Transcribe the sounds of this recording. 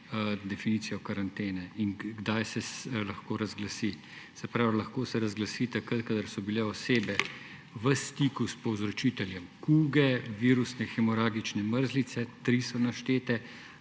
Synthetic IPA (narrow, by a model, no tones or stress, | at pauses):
d̪ɛfiniːsijɔkaɾant̪eːnɛinɡd̪ajsɛslaxkoːɾazɡlasi | sɛpɾaːwlaxkoːsɛɾazɡlasit̪akət̪kad̪aɾsɔbilɛɔseːbɛ | ʋəst̪ikuspɔwzɾɔt͡ʃit̪ɛljɛmkuːɡɛʋiːɾusnɛxɛmɔɾaːɡit͡ʃnɛməɾzlit̪sɛt̪ɾisɔnaʃt̪eːt̪ɛ